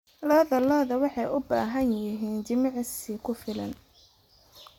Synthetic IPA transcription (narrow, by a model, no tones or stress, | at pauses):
lɔːðɐlɔːðɐwɑħɑjʊba̰ːɦɐnjɪɦɛːnt͡ʃɪmɑʕsikʰʊfɪlɐ̰n